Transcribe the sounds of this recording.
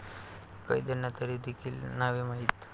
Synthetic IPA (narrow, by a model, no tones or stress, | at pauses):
kaid̪ənat̪əɾid̪ekʰiːlnaʋimaɦit̪